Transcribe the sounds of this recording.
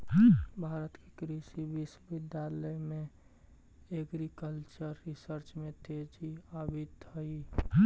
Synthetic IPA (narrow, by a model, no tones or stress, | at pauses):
ɦbʱaːɾət̪kekɾisibisbɪd̪jaləjmẽ | eɡɾikəlt͡ʃəɾːɪsəɾt͡ʃmẽt̪ed͡ʒiabit̪ɦəi